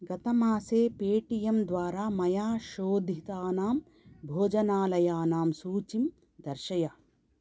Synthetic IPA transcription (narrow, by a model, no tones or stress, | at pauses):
ɡɐt̪ɐmaːseːpeːʈijɐmd̪ʋaːɾaːmɐjaːʃoːd̪ʱit̪aːnaːm | bʱoːd͡ʒɐnaːlɐjaːnaːmsuːt͡ʃim | d̪ɐɾʃɐjɐ